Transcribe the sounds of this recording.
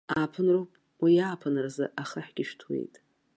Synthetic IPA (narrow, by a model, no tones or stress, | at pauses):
aːpʰɨnrupʼ | wijaːpʰɨnrazɨ̰ʔaχəħɡ̥ʲɪʃtʰwḛjtʼ